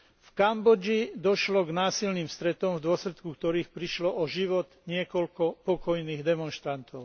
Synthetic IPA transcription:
fkambɔd͡ʒid̪ɔʃlɔɡnaːsilniːmst̪ɾɛt̪ɔmvd̪ʊɔslɛt̪kukt̪ɔɾiːxpɾiʃlɔʔɔʒiʋɔd̪ɲɪɛkɔlkɔpɔkɔjniːɣd̪ɛmɔnʃt̪ɾant̪ɔʊ

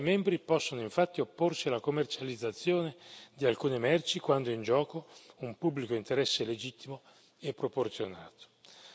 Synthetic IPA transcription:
mɛmbɾipɔsːonoiɱfat̪ːiopːorsialakomːert͡ʃalid̪zːat̪sːjoːned̪ialkuːnemɛrt͡ʃikwand̪oind͡ʒɔːkoumpubːlikoint̪eɾɛsːeled͡ʒit̪ːimo | ɛpːɾoport̪sjona̰ːt̪o̥

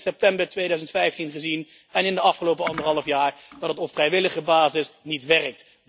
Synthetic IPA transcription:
sɛp̚tɛmbəɹtʋejdœɥzəntfɛjftinχəzin | ɛnɪndəɑfχəlowpəɑndəɹɦɑlˠəfjaːɹdɑtdətɔfrɛjʋɪləχəbaːzɪsnitʋɛrək̚t

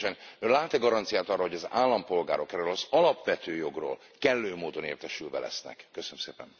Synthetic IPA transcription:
ɛnølaːt̪ɛɡɒɾɒnt̪sijaːt̪ɒrːɒhoɟɒza̰ːlːɒmpo̞lɡa̰ːɾo̞kɛrøːlɒzɒlɒpʋɛt̪øːjo̞ɡro̰ːl | kɛlːøːmoːd̪o̞nḛːrt̪ɛʃylvɛ̰lɛ̰snɛ̰kːøsønømseːpɛ̰n

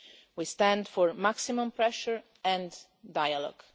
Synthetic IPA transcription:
wist̪ɛ̃ndfɔɹmaksimɔ̃mpɹɛʃəɹ | ɛ̃n | dajalɔ̰ɡ̥

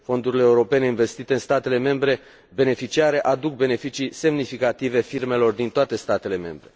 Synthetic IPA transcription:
fo̞nd̪uɾileːuɾo̞pe̞ne̞inve̞st̪it̪e̞ɨnst̪at̪e̞le̞me̞mbɾe̞ | be̞ne̞fit͡ʃiaɾe̞ʔad̪uk̚be̞ne̞fit͡ʃise̞mnifikat̪ive̞firme̞lo̞rd̪int̪oat̪e̞st̪at̪e̞le̞me̞̰mbɾe̞

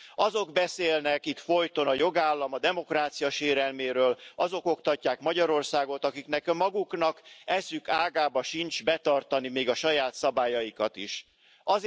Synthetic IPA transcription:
ɒzo̞ɡbɛseːlnɛkit̪fo̞jt̪o̞nɒjo̞ɡaːlːɒmɒd̪ɛmo̞kraːt̪sijɒʃeːɾɛlmeːɾøːlɒzo̞ko̞kt̪ɒcːaːkmɒɟɒɾo̞rsaːɡo̞t̪ɒkiknɛkmɒɡuknɒkɛsykaːɡaːbɒʃint͡ʃbɛt̪ɒrt̪ɒnimeːɡɒʃɒjaːt̪sɒbaːjɒjikɒt̪iʃ | ʔɒz

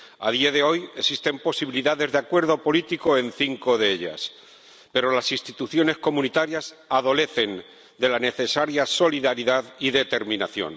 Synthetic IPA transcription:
a̰ð̞iaðe̞o̞je̞sist̪e̞mpo̞siβ̞iliðaðe̞zðeakwe̞ɾð̞o̞po̞lit̪iko̞e̞nθiŋko̞ðe̞eʎa̰s | pe̞ɾo̞lasist̪it̪uθjo̞ne̞sko̞munit̪aɾjas | aðo̞le̞θe̞n | d̪e̞lane̞θe̞saɾjaso̞liðaɾiðaðiðe̞t̪e̞ɾmĩnaθjo̞̰n

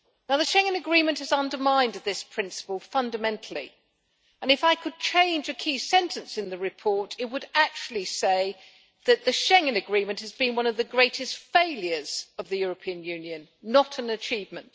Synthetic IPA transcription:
naʊðɨʃɛ̃ŋɨ̃nɨɡɹĩmɨ̃nʔ̚hɨzʌ̃ndə˞mãɪ̃nðɪspʰɹ̥ɪ̃nsə̥pl̩ˠfʌ̃ndɨmɛ̃ntʰˡl̩ˠḭ | ɨ̃nɨfaɪkʰɨd̚t͡ʃʰẽɪ̃nd͡ʒɨkʰisɛ̃ntʰɨ̃nsɨ̃nðɨɹɨpʰɔɹɾɨt̚wəɾæk̚t͡ʃʉl̩ˠiseɪ | ðɨt̪̚ðɨʃɛ̃ŋɨ̃nɨɡɹĩmɨ̃nt̚hɨzbɨ̃nwʌ̃nʌvðɨɡɹeɪɾɨstfeɪlˠjə˞z̥ʌvðɨjʊɹɨpʰĩɨ̃njʉ̃njɨ̃nːəɾɨ̃nɨt͡ʃʰivmɨ̃nt

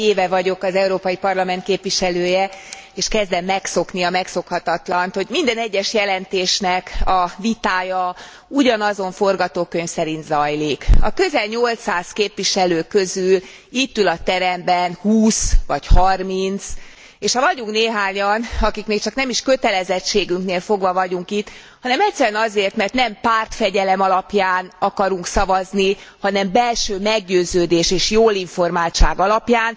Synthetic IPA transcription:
eːvɛvɒɟo̞kɒzɛuɾoːpɒjipɒrlɒmɛnt̪̚keːpʋiʃɛløːjɛeːʃkɛzd̪ɛmːɛkso̞kniɒmɛkso̞khɒt̪ɒt̪lɒnt̪ho̞ɟmind̪ɛnɛɟːɛʃjɛlɛnt̪eːʃnɛkɒvit̪aːjɒ | uɟɒnɒzo̞ɱfo̞rɡɒt̪oːkøɲfsɛɾint̪zɒjlikɒ̰kø̞zɛlɲo̞lt̪saːskeːpʋiʃɛløːkø̞zyl | it̪ːylɒt̪ɛɾɛmbɛnhuːsvɒchɒrmint̪s | eːʃhɒvɒɟuŋkneːɦaːɲɒnɒkikmeːkt͡ʃɒknɛmiʃkøt̪ɛlɛzɛt͡ʃːeːɡyŋkneːlfo̞ɡʋɒvɒɟuŋkit̪ː | hɒnɛmɛct̪sːɛɾɛnɒzeːrt̪mɛrt̪nɛmpaːrt̪fɛɟɛlɛmɒlɒpjaːnɒkɒɾuŋksɒvɒznihɒnɛmbɛlʃøːmɛɡɟøːzøːd̪eːʃeːʃjoːliɱfo̞rmaːlt͡ʃaːɡɒlɒpjaːn

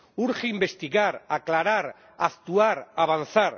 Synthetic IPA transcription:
uɾxeimbest̪iɣaɾaklaɾaɾ | akt̪uaɾaβan̟θaɾ

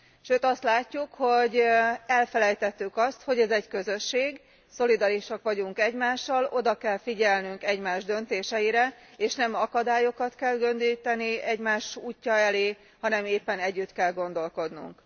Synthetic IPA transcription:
ʃøːt̪ɒst̪laːcːukho̞ɟɛlfɛlɛjt̪ɛt̪ːykɒst̪ho̞ɟɛzɛɟkø̞zø̞ʃːeːɡ | so̞lid̪ɒɾiʃɒkʋɒɟuŋkɛɟmaːʃːɒlo̞d̪ɒkɛlfiɟɛlnyŋkɛɟmaːʒd̪ø̞n̪t̪eːʃɛjiɾɛ | eːʃnɛmɒkɒd̪aːjo̞kɒt̪kɛlɡø̞nd̪ijt̪ɛniɛɟmaːʃuːcːɒɛleː | hɒnɛmeːpːɛnɛɟːyt̪kɛlɡo̞nd̪o̞lko̞d̪nṵŋk

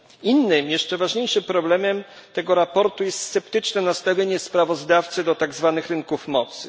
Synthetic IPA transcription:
inːɘmjɛʂt͡ʂɛvaʐɲejʂɘmpɾɔblɛmɛm | t̪ɛɡɔɾapɔɾt̪ujɛst̪sːɛpt̪ɘt͡ʂnɛnast̪avʲjeɲɛspɾavɔzd̪aft̪sɘd̪ɔt̪aɡzvanɘxɾɘŋkufmɔt̪sɘ

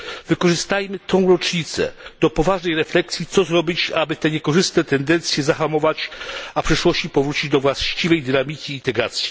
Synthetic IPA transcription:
vɘkɔʐɘst̪ajmɘt̪ɔ̃w̃ɾɔt͡ʂɲit̪sɛ̰d̪̥ɔpɔvaʐnɛjɾɛflɛksʲjit̪sɔzɾɔbʲit͡ɕabɘt̪ɛɲekɔʐɘst̪nɛt̪ɛnd̪ɛnt̪sʲjɛzaxamɔvat͡ɕapʂɛʂwɔɕt͡ɕipɔvɾut͡ɕid͡ʑd̪ɔvwaɕt͡ɕivɛjd̪ɘnamʲikʲiːnt̪ɛɡɾat̪sʲji

